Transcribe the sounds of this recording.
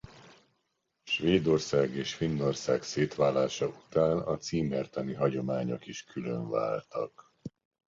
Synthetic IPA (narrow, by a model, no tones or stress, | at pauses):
ʃʋeːd̪o̞rsaːɡeːʃfinːo̞rsaːkseːt̪ʋaːlːaːʃɒut̪aːnɒ̰t̪siːmɛrt̪ɒniɦɒɟo̞maːɲo̞̰kiʃkylø̰ɱva̰ːlt̪ɒk